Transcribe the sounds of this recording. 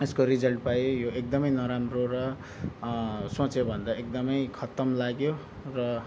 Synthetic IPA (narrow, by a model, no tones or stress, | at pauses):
eskoɾid͡zʌlʈ̚pajojoek̚d̪ʌmʌjnʌɾamroɾʌ | sõt͡sebʱʌnd̪aek̚d̪ʌmʌjkʰʌt̪ʌmlaɡjo | rʌ